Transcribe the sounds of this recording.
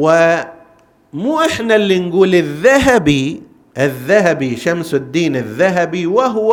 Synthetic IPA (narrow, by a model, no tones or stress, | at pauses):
wɪ | muːʔɪħnalːinɡuːlɪðːaɦabi | ʔɪðːaɦabiʃamsɪd̪ːiːnɪðːaɦabiwɪɦ